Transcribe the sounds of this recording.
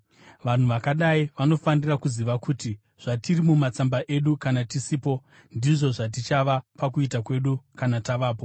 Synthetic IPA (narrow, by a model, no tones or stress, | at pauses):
ʋan̤uʋakaɗaiʋano̞fanirakuziʋakuti | ʐ̥atirimumat͡sambaʔe̞ɗukanatisiːpo̞ | ndiʐo̞ʐat̬it͡ʃaʋapakuitakwe̞ɗukanataʋaːpo̞